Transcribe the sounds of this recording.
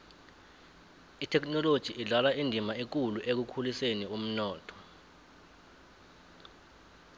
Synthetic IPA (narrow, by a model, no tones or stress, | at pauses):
itʰɛknɔlod̥ʒ̥ʱiʔiɮalaindʱimaik̬uluʔek̬ukʰulisenium̩nɔːtʰɔ̥